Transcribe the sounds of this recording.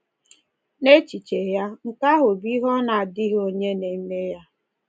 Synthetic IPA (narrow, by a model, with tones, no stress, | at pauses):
ne˦t͡ʃi˨t͡ʃe˨ja˦ŋ̩˨ka˦ɦʊ˨bi˦ɦɔ˦na˨a˨dɪ˦ɦo˦ɲe˦ne˨i˦me˦ja˦